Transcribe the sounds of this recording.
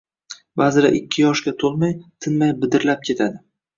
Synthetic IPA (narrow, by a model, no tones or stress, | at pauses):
bazɪɾa̰ʔɪkʲʰːɪjɒʃɡʲat̪ʰolˠmajt̪ʰɪnmajbɪd̪ɪɾlap̚kʲʰe̞t̪ʰad̪ɪ